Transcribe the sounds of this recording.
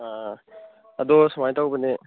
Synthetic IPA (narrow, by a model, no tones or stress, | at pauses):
a | ɐdɔsamajtawbəne